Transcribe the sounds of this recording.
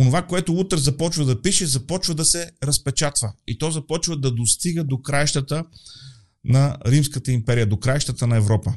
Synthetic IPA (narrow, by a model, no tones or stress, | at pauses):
onovakoɛt̪ʊut̪ɾɛzɐpɔt͡ʃvəd̪ɐpiʃɛzɐpɔt͡ʃvəd̪ɐsɛɾɐspɛt͡ʃat̪vəit̪ɔzɐpɔt͡ʃvəd̪ɐd̪ost̪iɡəd̪okɾajʃt̪ət̪ə | nɐɾimskət̪əimpɛɾijəd̪okɾajʃt̪ət̪ənɐɛvɾɔpə